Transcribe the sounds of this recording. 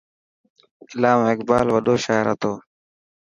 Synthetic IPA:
ɪlaːmɪkbaːlʋəɗoːʃaːɪɾɦət̪ʰoː

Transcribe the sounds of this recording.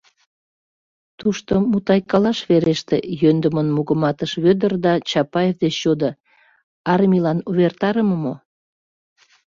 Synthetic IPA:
t̪uʃt̪omut̪ɑjkɑlɑʃβeɾeʃt̪ejønd̪əmənmuɣəmɑt̪əʃβød̪ərd̪ɑt͡ɕɑpɑjevd̪et͡ɕːod̪ə | ɑrmʲilɑnuβert̪ɑɾəməmo

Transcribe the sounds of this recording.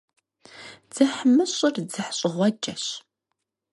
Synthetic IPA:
d͡z̥ɨħmɨɕʼɪrd͡zɨħɕʼɪʁʷɔt͡ʃʼɐɕ

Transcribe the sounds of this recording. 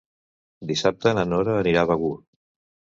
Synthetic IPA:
d̪isap̚t̪əːnənɔɾəːniɾaβəɣu

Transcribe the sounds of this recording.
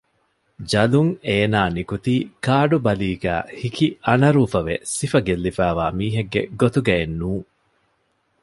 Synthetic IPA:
d͡ʒɐluŋeːnaːnikut̪iːkaːɖubɐliːɡæ̰ːhikiɐnɐɾuːfɐʋesifɐɡelːifæːʋaːmiːɦeɡːḛɡot̪uɡɐenːuːŋ

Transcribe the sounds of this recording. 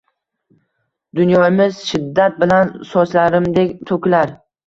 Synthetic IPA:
d̪ʊnjɒmɪz̥ʃɪd̪ːat̪̚bɪlansɒslaɾɪmd̪e̞kʲt̪ʰokʲlaɾ

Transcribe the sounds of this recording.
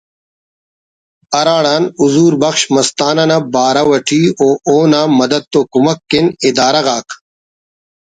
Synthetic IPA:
ɐɾaːɽaːnuzuːɾbɐxɕmɐst̪aːnɐnɐbaːɾɐwɐʈʰiːoːʔoːnaːmɐd̪ɐd̪̚t̪okumɐkːinid̪aːɾɐɣaːkʰ

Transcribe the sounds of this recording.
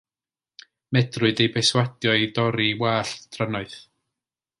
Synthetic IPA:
mɛdrʊɨdejbejswadjɔidɔɾiwaːɬd̥ranɔɨθ

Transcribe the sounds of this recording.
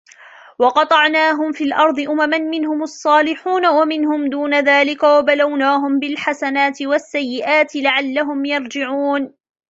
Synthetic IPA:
wɑqɑt̪ˤɑʕnaːɦʊmfiːlʔɑɾˤd̪ˤɨʔʊmamanmɪnhʊmɑsˤːɑːlɪħuːnawamɪnhʊmd̪uːnaðaːlɪkawabalawnaːɦʊmbɪlħasanaːt̪ɪwasːajːɪʔaːt̪ɪlaʕalːaɦʊmjɑɾˤd͡ʒɪʕuːn

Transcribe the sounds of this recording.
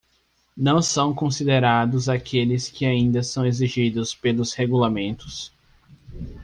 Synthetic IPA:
nɐ̃w̃sɐ̃w̃kõsid̪eɾad̪ʊzakʰelɪskʰɪaĩnd̪ɐsɐ̃w̃eziʒid̪ʊspelʊsheɡulamẽnt̪ʊ̥s

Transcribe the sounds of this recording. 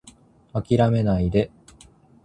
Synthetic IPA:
akʲiɾame̞naid̪e̞

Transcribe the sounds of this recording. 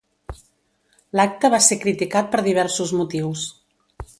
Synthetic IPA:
lak̚t̪əβasekɾit̪ikat̪̚pəɾðiβ̞ɛɾsuzmut̪iws

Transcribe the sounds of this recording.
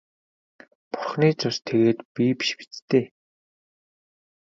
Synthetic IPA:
pʊrχniːt͡sʊst̪ʰeɣeːt̪pipi̥ʃpi̥t͡st̪eː

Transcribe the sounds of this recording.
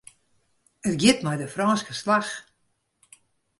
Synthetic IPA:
ətɡjɪtmɛjdəfrɔːnskəslax

